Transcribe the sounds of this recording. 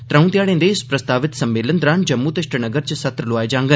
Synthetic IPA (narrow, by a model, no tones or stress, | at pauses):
t̪ɾɐ̃ũnt̪jaːɽẽnd̪eːspɾɐst̪aːʋɪt̪sɐmːeːlənd̪ɾaːnd͡ʒɐmːut̪ɪʃʈənɐɡəɾt͡ʃɐsɐt̪ɾəloʋaːjd͡ʒãːŋɡə